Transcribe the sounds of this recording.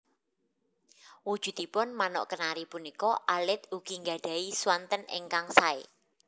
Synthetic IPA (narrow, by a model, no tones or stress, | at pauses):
wud̥ʒ̥ṳd̪̥i̤pʊnmanɔ̰ʔkənaɾipunikɔʔalɪt̪̚uɡ̥i̤ŋɡa̤ɖ̥a̤iswant̪ənḛŋkaŋsae